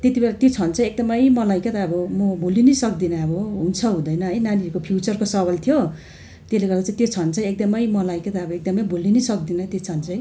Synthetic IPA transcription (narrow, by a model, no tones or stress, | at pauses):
t̪et̪ibelat̪jot͡sʰʌnt͡sʰʌ̃ek̚d̪ʌmʌjmʌlajkʌt̪aːbʌmʌbʱulinʌsʌk̚d̪inʌʌbʌɦunt͡sʰʌɦũd̪ʌjnʌɦʌjnanikopʰjut͡sʌrkosʌbalt̪ʰjo | t̪eleɡʌrd̪at͡sãĩt̪jot͡sʰʌnt͡sʰʌ̃ek̚d̪ʌmʌjmʌlajkʌt̪aːbʌek̚d̪ʌmʌjbʱulːinisʌk̚d̪inʌt̪ot͡sʰʌnt͡sʰʌj